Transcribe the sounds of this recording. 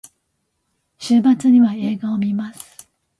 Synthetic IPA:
ɕɨːbat͡sɨɲ̟iβae̞ːɡaomʲimasɨ̥

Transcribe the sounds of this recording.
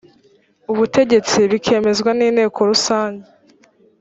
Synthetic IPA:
uβute̞ɟe̞t͡siβikʰe̞ːme̞zɡwaniːne̞ːkʰo̞ɾusaːɲɟe

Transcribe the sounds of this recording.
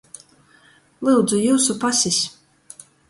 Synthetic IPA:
lˠuːd̪zujuːsupasʲisʲ

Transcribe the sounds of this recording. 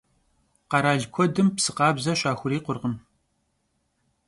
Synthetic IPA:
qɑɾaːɮkʷʰɔdɨmpsɨqɑːbzɐɕʷaːxʷʊɾiːqʷʊrʁən

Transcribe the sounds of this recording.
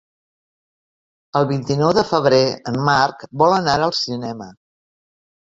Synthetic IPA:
əlˠβint̪inɔwðəfəβ̞ɾeəmːarkbɔlənaɾəlˠsinɛmə

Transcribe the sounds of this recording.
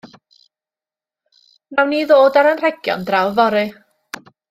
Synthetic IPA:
nawniːðoːdaɾənr̥ɛɡjɔ̰ndrawvɔɾɨ

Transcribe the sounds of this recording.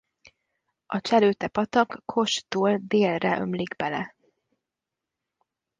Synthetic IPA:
ɒt͡ʃɛløːt̪ɛpɒt̪ɒkːʰo̞ʃt̪uːld̪eːlrɛʔø̰mliɡbɛlɛ

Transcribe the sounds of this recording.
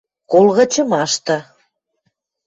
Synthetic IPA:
kolɣə̆t͡ɕə̆mɑʃt̪ɤ̆

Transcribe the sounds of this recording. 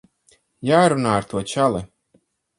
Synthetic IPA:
jaːɾunaːaɾt̪uɔt͡ʃalˠɛ

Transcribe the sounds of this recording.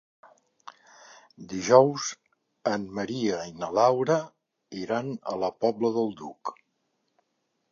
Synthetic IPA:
d̪iʒɔwz | ənməɾiəinəlawɾə | iɾanə̰ləpɔbləðəlˠd̪uk

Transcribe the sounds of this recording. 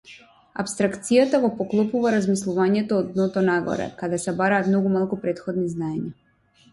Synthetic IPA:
a̰pst̪ɾakt̪sijat̪aɡɔpɔklˠɔpuvaɾazmislˠuvaɲɛt̪ɔːd̪nɔt̪ɔnaɡɔ̰ɾɛ̰kad̪ɛsɛbaɾaːt̪mnɔɡumalˠkupɾɛt̪xɔd̪niznaɛɲa

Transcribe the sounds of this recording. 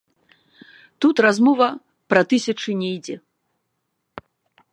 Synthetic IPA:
t̪ut̪razmɔvɐ | pɾɐt̪ɨsʲɐt͡ʂɨnʲɛjd͡zʲɛ

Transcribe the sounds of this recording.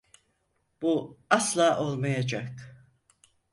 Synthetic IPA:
b̥uaslˠaːʔolˠmajad͡ʒakt̪ɯ̥

